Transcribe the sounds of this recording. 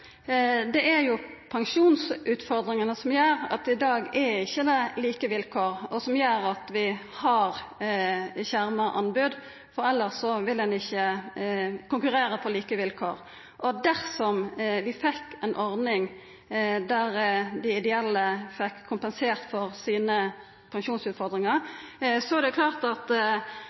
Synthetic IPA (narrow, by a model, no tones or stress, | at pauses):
d̪ɛʔæɾjʊpʰɑŋʂuːnsʉːt̪fɔʁd̪ɾɪŋənəsɔmjøːɾɑ̰t̪ɪd̪ɑːɡɛɪçːəd̪ɛliːkəʋɪlkʰoːɾɔsɔmjøːɾɑt̪ʋɪhɑʁ | çæʁmɑʔɑ̰nbʉd̪ | fɔɾɛlːəʁsɔʋɪldɛnɪçːə | kʊŋkʉʁeːɾəpʰɔliːkəʋɪlkʰoːɾ | ʔɔd̪æʁsɔmʋɪfɛkːɛnʔɔʁd̪nɪŋ | d̪æʁd̪ɪɪd̪ɛɛlːəfɛkʰːʊmpənseːʁt̪fɔʁsiːnə | pʰɑŋʃuːnsʉːt̪fɔʁd̪ɾɪŋɑɾsɔæd̪ɛkʰlɑːʁt̪ɑt̪